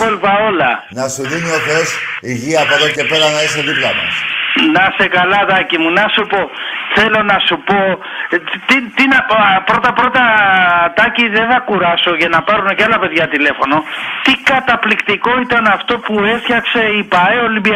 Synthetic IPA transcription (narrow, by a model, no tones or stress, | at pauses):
olvɐo̞lɐ̰nɐsuðinioθesiʝiɐːpoðo̞ce̞pe̞ɾɐnɐiseðiplɐmɐ̰snɐse̞kɐlɐt̪ɐcimunɐsupo̞θe̞lo̞nɐsupo̞ | t̪it̪inɐpɾo̞t̪ɐpɾo̞t̪ɐt̪ɐciðeθɐkuɾɐso̞ʝɐnɐpɐɾuneceɐlɐpe̞ðʝɐt̪ile̞fo̞no̞t̪ikɐt̪ɐplikt̪iko̞it̪ɐnɐft̪o̞pue̞sçɐkse̞ipɐeolimbi